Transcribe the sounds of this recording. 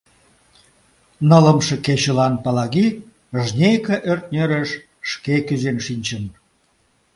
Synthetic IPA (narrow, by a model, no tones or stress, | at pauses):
nələmʃeket͡ɕəlɑnpɑlɑɣi | ʒnʲejkeʔørt̪̚nʲeɾeʃː | kekyzenʃinʲt͡ɕən